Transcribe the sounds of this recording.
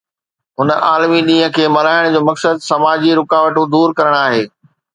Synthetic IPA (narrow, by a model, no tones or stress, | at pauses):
ɦʊnə̆ʔaːlmiɗĩːɦə̃̆kʰeːmɐɾaːɪɽ̃d͡ʑoːmɐksəd̪sɐmaːd͡ʑiɾʊkaːʋəʈũd̪uːɾkɐɾəɽ̃aːɦeː